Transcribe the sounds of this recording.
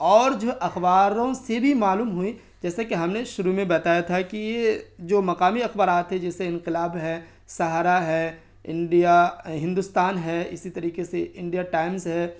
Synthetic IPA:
ɔːɾd͡ʒoʔɐxbaːɾõsebʱimaːluːmɦʊi | d͡ʒɛːsakeɦɐmneʃʊɾumẽbɐt̪aːjat̪ʰakijed͡ʒoːmɐqaːmiɐxbaːɾaːt̪ɦɛ̃d͡ʒɛːseɪ̃nqɪlaːbɦɛ | sɐɦaːɾaɦɛ | ɪ̰̃ɳɖijaɦɪ̃nd̪ʊst̪aːnɦɛɪsit̪ɐɾiːqeseʔɪ̃ɳɖijaʈaːɪmzɦɛː

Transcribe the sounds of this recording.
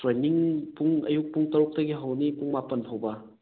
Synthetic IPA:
tɾeniŋpuŋɐ̰juk̚puŋtɐɾuk̚tɐɡiɦawnipuŋmapɐnpʰowbɐ

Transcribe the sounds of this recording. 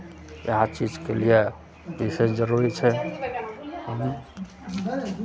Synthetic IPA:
jḛɦat͡ʃid͡ʒkelije | bisesd͡ʒəɾuɾit͡ʃʰɛ | ɦɦ

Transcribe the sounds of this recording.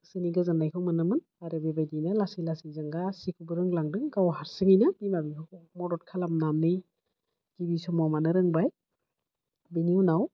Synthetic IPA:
sɯniɡazanajkʰɔmɯnɯmɯn | aɾebebajdinalasilasizaŋɡasikʰubɯɾɯŋlaŋdɯŋɡawɦaɾsɯŋijnabimabikʰɔmɔdɔt̚kʰalamnamnɯj | ɡ̥ibisɔmɔmanɯɾɯŋbaj | biniwnaw

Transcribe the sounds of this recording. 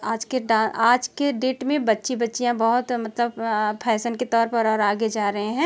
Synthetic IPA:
aːd͡ʒkeɖãːaːd͡ʒkeɖeːʈmẽbɐtːʃibɐtːʃijãbɐɦʊt̪mɐt̪ləbpʰɛːsənket̪ɔːɾpɐɾɔːɾaːɡed͡ʒaːɾɐɦẽɦɛ̃ː

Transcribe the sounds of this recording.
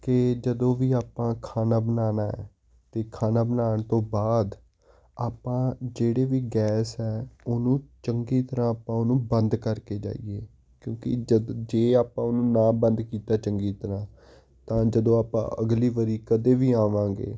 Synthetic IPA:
kɪd͡ʒəd̪õːʋiːaːpãːkʰaːnaːbənaːnaːɛ̰ː | t̪eːkʰaːnaːbənaːɳt̪õːbaːd̪ | aːpãːd͡ʒeːɽeːʋiːɡɛːsɛːʊnũːt͡ʃəŋɡiːt̪əɾãːaːpãːʊnũːbənd̪kəɾkeːd͡ʒa̰ːḭːɡeː | kjõːkɪ̰d͡ʒd͡ʒeːaːpãːʊnũːnãːbənd̪kiːt̪aːt͡ʃəŋɡiːt̪əɾãː | t̪ãːd͡ʒəd̪õːaːpã̰ːʔəɡliːʋəɾiːkəd̪eːʋiːãːʋãːɡḛː

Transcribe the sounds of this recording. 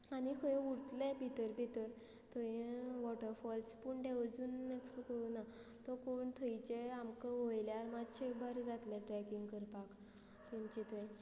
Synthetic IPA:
anikʰəj̃uɾt̪lɛ̃bʱit̪əɾbʱit̪əɾ | t̪ʰəĩʋɔʈəɾfɔlspuɳɖewd͡zunːektukəunat̪ɔkoɳt̪ʰəjt͡ɕeamkəʋojljaɾmat̪ɕebaɾd͡zat̪lɛ̃ʈɾɛkiŋɡkəɾpak | t̪emt͡ɕit̪ʰɔjẽ

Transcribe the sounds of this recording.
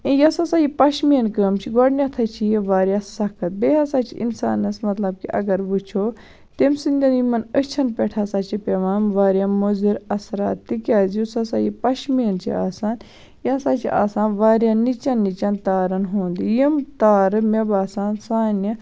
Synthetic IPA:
ĩjɐsasajipɐʃmiɐnkəmt͡ʃʰiɡoɽnʲat̪ʰɐt͡ʃʰijiʋaːɾjaːsɐkʰɐt̪̚beɦɐsat͡ʃʰḭḭnsa̰ːnɐsmɐt̪lɐb̚kiɐ̰ɡɐɾʋut͡ʃʰoː | t̪emsind̪ʲɐnimɐnət͡ʃʰɐnpɛʈʰasaːt͡ʃʰipeʋaːnʋaːɾjaːmoziɾɐsɾa̰ːt̪ːikʲaːziusɐsaːjipɐʃmiɐnt͡ʃʰḭa̰ːsaːn | jɐsaːt͡ʃʰḭʔa̰ːsaːnʋaːɾʲjaːnit͡ʃɐnːit͡ʃant̪aːɾɐnɦõːnd̪ijimt̪aːɾɨmebaːsaːnsaːnɐ

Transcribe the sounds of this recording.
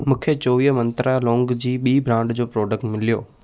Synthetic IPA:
mũːkʰet͡ɕoːʋiːɦmɐ̃nt̪ɾalɔ̃ːŋɡd͡ʑiːɓiːbɾãːɳɖd͡ʑoːpɾoːɖək̚ʈmɪlijoː

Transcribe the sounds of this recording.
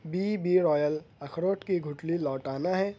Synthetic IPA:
biːbiɾɔːjəlɐkʰɾoːʈkiɡʱʊʈlilɔːʈaːnaɦɛː

